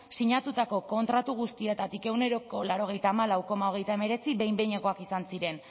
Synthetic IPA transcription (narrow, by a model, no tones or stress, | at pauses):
siɲat̪ut̪ako̞ko̞nt̪ɾat̪uɣ̞ust̪ie̞t̪at̪ike̞wne̞ɾo̞ko̞laɾo̞ɣ̞e̞jt̪aːmalawko̞mao̞ɣ̞e̞jt̪aeme̞ɾe̞t͡siβe̞jmbe̞ɲeko̞akisansiɾe̞n